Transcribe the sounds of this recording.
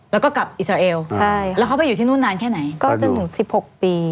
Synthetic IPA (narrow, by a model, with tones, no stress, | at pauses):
lɛ˦˥kɔː˥˩ka˨˩p̚ʔsɾaː˧ʔeː˧wt͡ɕʰa˥˩jlɛ˦˥kʰpa˧˨juː˨˩iː˥˩nu˥˩nːaː˧nkʰɛː˥˩na˩˦jkɔː˥˩t͡ɕa˨˩t̪ʰɯ˩˦ŋsi˨˩p̚ho˨˩k̚piː˧